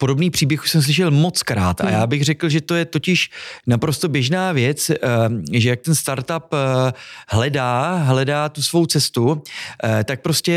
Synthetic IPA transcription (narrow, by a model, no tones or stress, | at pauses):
podo̞bniːpr̥iːbjɛxusɛms̬lɪʃ̬ɛlmo̞t͡skɾaːt̪ʔa̰jaːbɪɣr̝ɛkl̩ʒɛt̪o̞jɛt̪o̞cɪʃnapɾo̞st̪o̞bjɛʒnaːvjɛt͡s | ʒɛjak̚t̪ɛnst̪aɾt̪ap | ɦlɛdaːɦlɛdaːt̪usvo̞wt͡sɛst̪u | t̪ak̚pɾo̞scɛ